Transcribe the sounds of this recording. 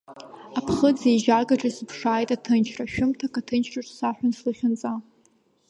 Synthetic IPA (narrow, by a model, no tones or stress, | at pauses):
apʰχəd͡zeʒaɡaʈ͡ʂʼaspʰʂaːjtʼatʰɨnt͡ʃʰraʃᶣʊmtʰakʼatʰɨnt͡ʃʰraʈ͡ʂʼsaħʷᶣanslɨχʲʊnt͡sʼa